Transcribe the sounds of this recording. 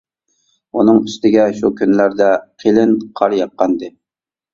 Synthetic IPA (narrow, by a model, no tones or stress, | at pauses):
unɨŋyst̪ɪɡʲɛʃukʲʰynlæɾd̪ɛqʰelɪnqʰɑɾjɑq̚ːɑnd̪ɨ